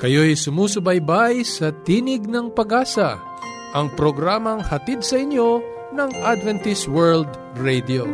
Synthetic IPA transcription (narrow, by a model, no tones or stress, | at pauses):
kɐjo̞jsʊmuːsʊbɐjbajsɐt̪iːnɪɡnɐŋpɐɡaːsɐ | ʔɐŋpɾoɡɾaːmɐŋhɐt̪id̪sɐʔɪnjo̞ | nɐŋʔad̪vɛnt̪ɪswɛɹld̪ | ɹɛjd̪io